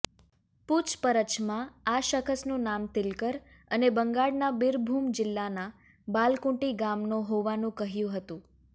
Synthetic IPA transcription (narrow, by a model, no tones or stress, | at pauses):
put͡ʃpəɾət͡ʃmãaʃəkʰəsnũnamt̪ɪlkəɾ | ənebəŋɡaɽnabɪɾbʱumd͡ʒɪlːana | balkũʈiɡamnoɦoʋanũkəɦjũɦət̪ũ